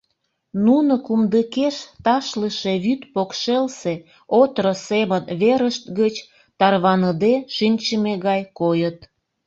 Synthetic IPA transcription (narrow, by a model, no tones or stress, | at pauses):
nunokumd̪əkeʃt̪ɑʃləʃeβyt̪pokʃelse | ot̪ɾəseβənβeɾəʃt̪ɡət͡ɕ | t̪ɑrβɑnəd̪eʃinʲt͡ɕəmeɣɑjkojət̪